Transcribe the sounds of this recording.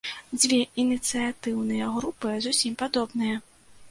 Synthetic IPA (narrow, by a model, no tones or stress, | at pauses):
d͡zʲvʲɛʔinʲit̪sɨjat̪ɨwnɨjɐɣɾupɨzusʲimpad̪ɔbnɨjɐ